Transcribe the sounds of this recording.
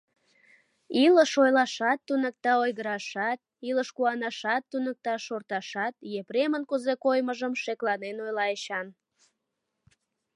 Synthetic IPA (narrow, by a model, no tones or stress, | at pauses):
iləʃojlɑʃɑt̪ːunək̚t̪ɑojɣəɾɑʃɑt̪̚iləʃkuɑnɑʃɑt̪ːunək̚t̪ɑʃort̪ɑʃɑt̪jepremənkuzekojməʒəmʃeklɑnenojlɑeɕɑn